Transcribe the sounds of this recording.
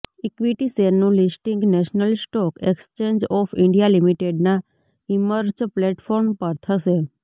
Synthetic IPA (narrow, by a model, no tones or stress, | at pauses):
ikʋiʈiseɾnũlisʈiŋɡnɛʃnəlsʈɔkekst͡ʃẽɲd͡ʒɔfɪɳɖijalimiʈeɖna | iməɾd͡ʒplɛʈfɔɾmpəɾt̪ʰəʃe